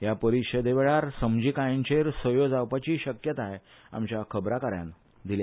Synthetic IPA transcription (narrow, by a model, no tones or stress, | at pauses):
ɦjapəɾikɕəd̪eʋeɭaɾsəmd͡ʑiːkajẽɲt͡ɕeɾsəjod͡zawpat͡ɕiːɕəkjət̪aɦe | a̰mt͡ɕjakʰəbɾakaɾjã̰n | d̪ilja